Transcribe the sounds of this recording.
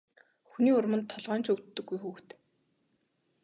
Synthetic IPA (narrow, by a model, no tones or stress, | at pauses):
xuniːʊrmə̆nt̪ʰːɔɮʁœːnt͡ɕɵwt̪ːɵ̆ɡːujxuːxt̪